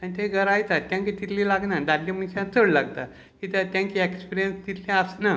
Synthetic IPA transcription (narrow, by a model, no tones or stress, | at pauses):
anit̪eɡʱəɾajt̪at̪ːjãŋkit̪it̪lilaɡnad̪alːĩm̤ənɕãt͡səɽlaɡt̪a̰ | kit̪at̪jãŋkiekspiɾijənst̪it̪lẽasna